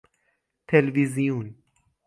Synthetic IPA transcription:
t̪ʰelviziun

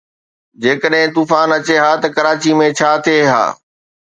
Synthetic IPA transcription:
d͡ʑeːkəɗɦɪ̃t̪uːfaːnɐt͡ɕeɦaːt̪ɐkɐɾaːt͡ɕimẽt͡ɕʰaːt̪ʰieɦa̰ː

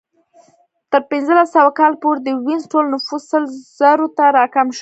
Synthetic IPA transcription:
t̪əɾpɪnzəlasːawakɑlpoɾd̪əwinzʈolnʊfussəlz̥aɾot̪aɾɑkamʃ

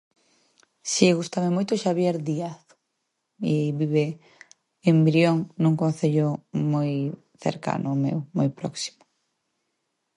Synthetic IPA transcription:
siɣust̪amemojt̪oʃaβjeɾðiaθ | iβiβe | embɾjoŋnuŋkõnθeʎomoj | θḛɾka̰nʊmḛwmojpɾɔ̰ksi̥mʊ̥

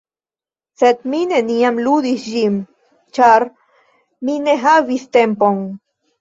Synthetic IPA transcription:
set̪̚mineniamluðisʒim | t͡ʃaɾ | mineɦaβist̪empoŋ

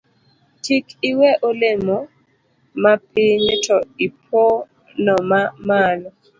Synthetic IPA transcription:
tʰikɪwɛʔolemɔ | mapɪɲɪtʰɔɪp̚ʰo | nɔmamalɔ

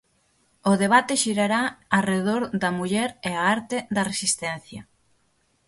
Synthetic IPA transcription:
ʊðeβ̞at̪ɪʃiɾaɾaareðoɾd̪ɐmuʎɛɾeaaɾt̪ɪd̪ɐresist̪ɛn̟θjɐ

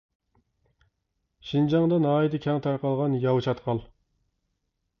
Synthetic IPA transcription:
ʃind͡ʒɑŋd̪ɨnɑːid̪ɨkʲʰɛŋt̪ʰɑɾqɑlˠʁɑnjɑwt͡ʃʰɑt̪qʰɑlˠ

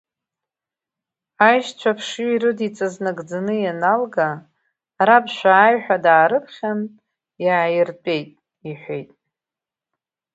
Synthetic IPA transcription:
ajʃt͡ʃʷʰapʰʂuiɾɨdit͡sʼaznaɡʼd͡zanɨjanalɡa | ɾabʃʷᶣaːjħʷᶣadaːɾɨpʰχʲan | jaʕjɪrtʷʼe̞jtʼ | iħʷejtʼ

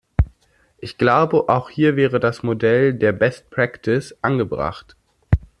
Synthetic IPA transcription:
ʔɪçɡ̥laʊbəʔaʊxhiːɐvɛːʁ̞ədasmodɛldeːɐbɛst̚pʁ̥aktʰɪsʔanɡəbʁa̰χt

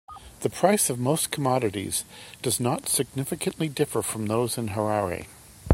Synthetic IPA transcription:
ðɨpʰɹ̥aɪsʌvmoʊskʰəmɑɾɨɾḭz̥d̥ʌznətsɨɡ̚nɪfɨkɨ̃nʔlidɪfə˞fɹʌ̃mðoʊzɨ̃nɦə˞aḭ

